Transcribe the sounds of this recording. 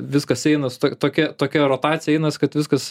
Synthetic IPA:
ʋʲɪskɐsɛɪnɐst̪oːt̪oːkʲɛt̪oːkʲɛɾoːt̪ɑːtt͡s̪ʲsʲɪjɛɛɪnɐskɐt̪ʋʲɪskɐs

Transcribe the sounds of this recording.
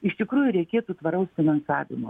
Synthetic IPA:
ɪʃt̪ʲɪkɾuːjʊɾʲɛɪkʲeːt̪ut̪ʋɐɾɐʊsfʲɪnɐnsɑ̰ːʋʲɪ̰mo̰

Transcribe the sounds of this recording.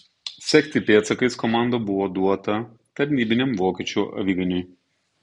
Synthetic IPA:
sʲɛkʲt̪ʲɪpʲeːt̪sɐkɐɪskɔmɑˑnd̪ɐbʊʋoːd̪uɔt̪ɐ | t̪ɐɾʲnʲiːbʲɪnʲɛmʋoːkʲɛːt͡ʃʲuːʔɐ̰ʋʲiɡʲɐnʲʊj

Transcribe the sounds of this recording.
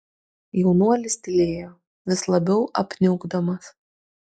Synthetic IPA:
jɛʊnuɔlʲɪsʲt̪ʲɪlʲeːjoː | ʋʲɪslˠɐbʲɛʊʔɐpʲnʲʊɡd̪ɐmɐs

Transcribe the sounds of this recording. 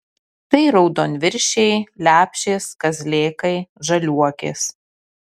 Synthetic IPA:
t̪ɐɪɾɐʊd̪oːnʲʋʲɪɾʲʃʲɛɪlʲæːpʲʃʲeːskɐzʲlʲeːkɐɪʒɐlʲuɔkʲḛːs

